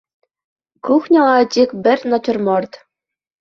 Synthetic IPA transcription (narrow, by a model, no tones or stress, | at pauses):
kuxnʲɤ̆lˠɑt͡ɕʲikʲbʲɘ̆rʲnɑ̆t͡ɕɤ̆rmɤrt̪